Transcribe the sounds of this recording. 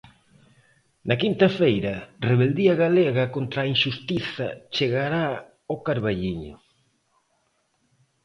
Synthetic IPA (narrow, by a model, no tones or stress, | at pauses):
nɐkint̪ɐfejɾɐreβ̞eld̪iɐɣaleɣɐkont̪ɾaːinʃust̪iθɐ̰t͡ʃeɣaɾa | okaɾβaʎiɲʊ̰